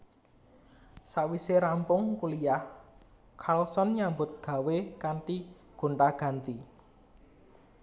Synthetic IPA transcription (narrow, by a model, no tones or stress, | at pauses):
saʔwiseɾampʊŋkulijah | kʰalsɔnɲambʊt̪̚ɡ̥ä̤wekaɳʈi | ɡ̥o̤ɳʈaɡ̥ä̤nt̪i